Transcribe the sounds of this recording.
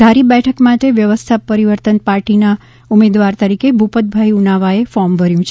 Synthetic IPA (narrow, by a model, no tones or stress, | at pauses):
d̪ʱaɾibɛʈʰəkmaʈeʋjəʋəst̪ʰapəɾiʋəɾt̪ənpaɾʈina | umed̪ʋaɾt̪əɾikebʱupət̪̚bʱajiunaʋaefɔɾmbʱəɾjũt͡ʃʰe